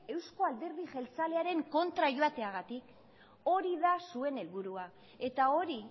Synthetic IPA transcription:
e̞wsko̞ald̪eɾðiʝe̞lt͡sale̞aɾe̞ŋko̞nt̪ɾaʝoat̪e̞aɣat̪ik | o̞ɾiðasue̞ne̞lβuɾua | e̞t̪ao̞ɾi

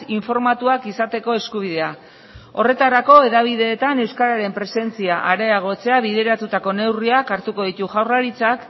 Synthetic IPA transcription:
iɱfo̞ɾmat̪uakisat̪e̞ko̞e̞skuβ̞iðe̞a | o̞re̞t̪aɾako̞e̞ðaβ̞iðe̞ːt̪ane̞wskaɾaɾe̞mpɾe̞se̞nt͡siaʔaɾeaɣ̞o̞t͡se̞aβiðe̞ɾat̪ut̪ako̞ne̞wriakaɾt̪uko̞ðit̪uʝawraɾit͡sak

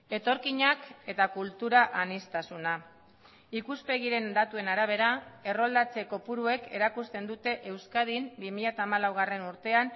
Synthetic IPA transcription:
e̞t̪o̞ɾkiɲake̞t̪akult̪uɾaʔanist̪asuna | ikuspe̞ɣ̞iɾe̞nd̪at̪ue̞naɾaβ̞e̞ɾae̞ro̞ld̪at͡se̞ko̞puɾue̞ke̞ɾakust̪e̞nd̪ut̪e̞ʔe̞wskaðimbimiʎat̪aːmalawɣ̞are̞nuɾt̪e̞an

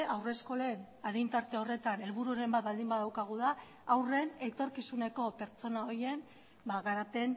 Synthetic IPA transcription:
awre̞sko̞le̞n | aðint̪aɾt̪e̞o̞re̞t̪ane̞lβuɾuaɾe̞mbat̪̚bald̪imbaðawkaɣ̞uð̞aː | wre̞ne̞t̪o̞ɾkisune̞ko̞pe̞ɾt͡so̞nao̞ɾje̞n | baɣaɾape̞n

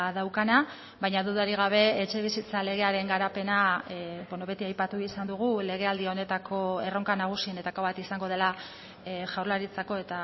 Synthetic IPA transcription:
ðawkana | βajɲaðuðaɾiɣ̞aβ̞e̞et͡ʃe̞β̞isit͡sale̞ɣ̞e̞aɾe̞ŋɡaɾape̞nabono̞βe̞t̪iajpat̪uisand̪uɣ̞ule̞ɣ̞e̞ald̪iao̞ne̞t̪akʰo̞e̞ro̞ŋkanaɣ̞usiene̞t̪ako̞βat̪isaŋɡo̞ð̞e̞la | ʝawrlaɾit͡sako̞e̞t̪a

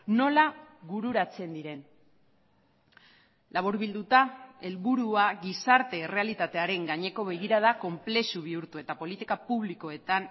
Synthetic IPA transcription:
no̞laɣuɾuɾat͡se̞nd̪iɾe̞n | laβ̞uɾβild̪ut̪ae̞lβuɾuaɣisaɾt̪e̞ːre̞alit̪at̪e̞aɾe̞ŋɡaɲe̞ko̞βe̞ɣiɾað̞ako̞mple̞suβiuɾt̪ue̞t̪apo̞lit̪ikapuβliko̞e̞t̪an

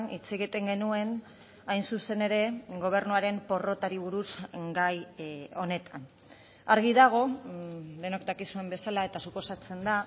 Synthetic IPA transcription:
nit͡seɣ̞it̪e̞ŋɡe̞nue̞n | ajnsuse̞ne̞ɾe̞ɡo̞β̞e̞ɾnuaɾe̞mpo̞ro̞t̪aɾiβ̞uɾusɡajo̞ne̞t̪an | aɾɣiðaɣ̞o̞ | d̪e̞nokd̪akisue̞mbe̞salae̞t̪asupo̞sat͡se̞nd̪a

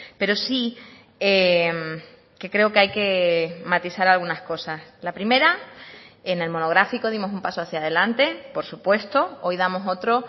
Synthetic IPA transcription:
pe̞ɾo̞si | em | ke̞kɾe̞okeajke̞mat̪isaɾalɣunasko̞saslapɾime̞ɾa | ene̞lmo̞no̞ɣɾafiko̞ð̞imo̞sumpasoaθjað̞e̞lant̪e̞po̞ɾsupwe̞st̪o̞o̞jðamo̞so̞t̪ɾo̞

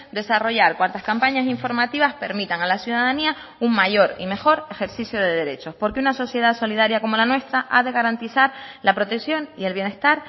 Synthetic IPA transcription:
d̪e̞saro̞ʝaɾkwant̪askampaɲasiɱfo̞ɾmat̪iβaspe̞ɾmit̪aŋalasjuðaðania | uŋmaʝo̞ɾḭme̞xo̞ɾe̞xe̞ɾsisjo̞ð̞e̞ðe̞ɾe̞t͡ʃo̞spo̞ɾkeunaso̞sje̞ð̞aso̞liðaɾjako̞mo̞lanwe̞st̪ɾaʔaðe̞ɣaɾant̪isaɾlapɾo̞t̪e̞ksjo̞ŋie̞lβje̞ne̞st̪aɾ

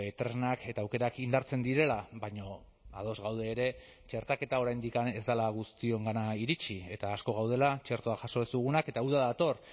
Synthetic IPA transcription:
et̪ɾenake̞t̪aːwke̞ɾakind̪aɾt͡se̞nd̪iɾe̞laβajɲo̞ | að̞o̞zɣawð̞e̞ːɾe̞ | t͡ʃe̞ɾt̪ake̞t̪ao̞ɾajnd̪ikane̞zd̪alaɣust̪io̞ŋɡanaiɾit͡ʃie̞t̪aːsko̞ɣ̞awð̞e̞lat͡ʃe̞ɾt̪oaʝaso̞esuɣ̞unake̞t̪auðaðat̪o̞r

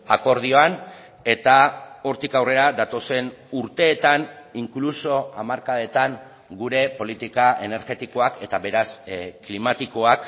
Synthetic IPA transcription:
ako̞ɾð̞io̞an | e̞t̪ao̞ɾt̪ikawre̞ɾad̪at̪o̞se̞nuɾt̪e̞ːt̪aniŋkluso̞amaɾkaðe̞t̪aŋ | ɡuɾe̞po̞lit̪ikae̞ne̞ɾɣe̞t̪iko̞ake̞t̪aβe̞ɾasklimat̪iko̞ak

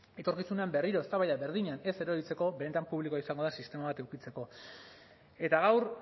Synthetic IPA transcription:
e̞t̪o̞ɾkisune̞ambe̞riɾo̞est̪aβajðaβe̞ɾðiɲane̞se̞ɾoɾit͡se̞ko̞βe̞ne̞t̪ampuβlikoaisaŋɡo̞ð̞ensist̪e̞maβat̪ewkit͡se̞ko̞ | e̞t̪aɣ̞awɾ

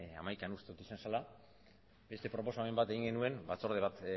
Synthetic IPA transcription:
a̰majkanust̪e̞ut̪isansala | be̞st̪e̞pɾo̞po̞samembat̪e̞ɣiŋɡe̞nue̞nbat͡so̞ɾð̞eβat̪

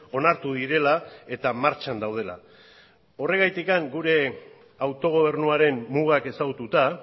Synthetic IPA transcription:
o̞naɾt̪uðiɾe̞lae̞t̪amaɾt͡ʃand̪awð̞e̞la̰ | o̞re̞ɣajt̪ikaŋɡuɾe̞ | awt̪o̞ɣ̞o̞β̞e̞ɾnuaɾe̞mmuɣ̞ake̞saɣut̪ut̪a

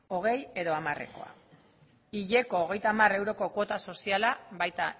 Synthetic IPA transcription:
o̞ɣ̞e̞je̞ðo̞amare̞̰ko̞̰a̰ | iʎe̞ko̞ːɣ̞e̞jt̪amare̞wɾo̞ko̞ko̞t̪aso̞sialaβajt̪a

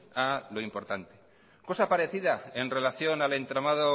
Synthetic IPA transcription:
alo̞impo̞ɾt̪ant̪e̥ | ko̞sapaɾe̞θiðae̞nre̞laθjo̞nale̞nt̪ɾamaðo

